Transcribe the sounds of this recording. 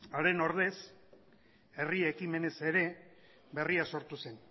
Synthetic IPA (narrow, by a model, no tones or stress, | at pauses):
aɾe̞no̞ɾðe̞s | e̞riekime̞ne̞se̞ɾe̞ | be̞riaso̞ɾt̪use̞n